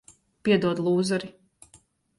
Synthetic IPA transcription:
pʲiɛd̪uɔd̪lˠuːzaɾi

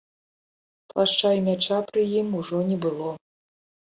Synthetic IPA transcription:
plˠaʂt͡ʂajimʲat͡ʂapɾɨjimuʐɔnʲɛbɨlˠɔ

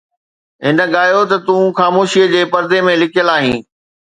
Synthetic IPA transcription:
ɦɪnə̆ɠaːjot̪ɐt̪ũxaːmoːʃiəd͡ʑeːpɐɾd̪emẽlɪkʰjəlaːɦĩː

